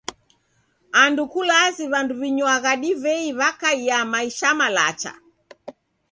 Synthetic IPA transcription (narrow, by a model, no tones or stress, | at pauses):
andukulaziβanduβiɲwaɣaɗivɛiβakaiamaiʃamala̰t͡ʃa̰